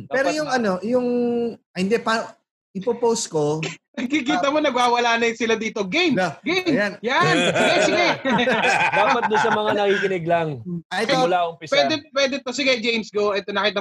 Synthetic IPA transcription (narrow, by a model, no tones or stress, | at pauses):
pɛːɾojʊŋɐnojʊŋ | hɪnd̪ɛpa | ʔɪpopowskonɐɡ̚kik̬iːt̪ɐmo̞nɐɡwaːwɐlaːnɐjɪnsɪlad̪iːt̪o̞ɡejmɡemjajansɪɡɛsɪɡɛ | d̪aːpɐt̪̚d̪ʊnsɐmɐŋanɐkiːkɪnɪɡ̚lɐŋomʊlaʊŋpɪspwɛd̪ɛpwɛːd̪ɛt̪osɪɡɛd͡ʒejmsɡoʔɛt̪onɐkit̪ɐ